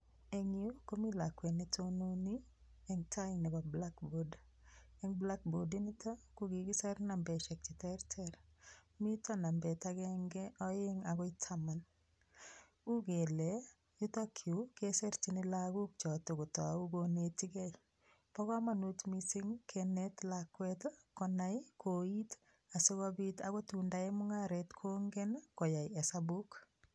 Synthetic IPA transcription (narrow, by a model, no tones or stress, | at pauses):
eŋiokomilakwenetononi | ɛŋtajɪnɛbablakbod | ɛŋblak̚bodinitʰakuɡiɡɪsɛɾnambɛʃɛk̚t͡ʃitɛɾtʰɛɾmitanambɛtaɡɛŋɡɛɔjɪŋaɡɔɪtʰaman | uɡele | jutɔkʰiukesɛɾtinɪlaɡuk̚t͡ʃɔtɔɡutɔauɡonetiɡɛj | pɔɣɔmanutmisiŋkʰɛnɛtlakːwɛtkɔnajkʰoit | asɪɣɔbitaɣɔtundaemʊŋaɾɛtkʰoŋɡɛnkɔjajɛsabuk